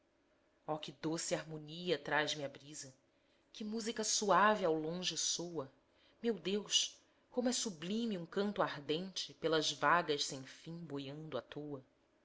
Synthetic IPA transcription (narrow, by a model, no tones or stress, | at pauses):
ɔkɪd̪osɪaɦmõniɐt̪ɾaʒmiɐbɾizɐ | kɪmuzikɐsuavɪawlõʒɪsowɐ | mewd̪ewʃ | kõmʊɛsublĩmiũkɐ̃nt̪ʊaɦd̪ẽnt͡ʃɪpelɐzvaɡɐʃsẽj̃fĩbojɐ̃nd̪ʊat̪ʰowɐ